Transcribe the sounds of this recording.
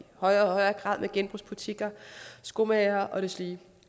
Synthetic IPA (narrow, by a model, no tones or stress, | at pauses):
hɒ̽ɪɐɒhɒɪɐːɡ̥ʁɑ̈ð̞̰ˠmʔeɡ̥enb̥ʁusb̥ut͡sʰiɡ̥ɐsɡ̥o̝mɛːɐʔɒ̽ɾ̥e̝sliː